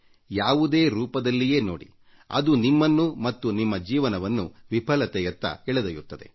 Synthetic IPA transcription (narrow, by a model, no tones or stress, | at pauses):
jaːʋud̪e̞ːɾuːpɐd̪ɐlːije̞ːnoːɽḭ | ɐ̰d̪unimːɐnːumɐt̪ːunimːɐd͡ʒiːʋɐnɐʋɐnːuʋipʰɐlɐt̪ɛjɐt̪ːɐ̰ɛɭed̪ɐjut̪ːɐd̪e̞̰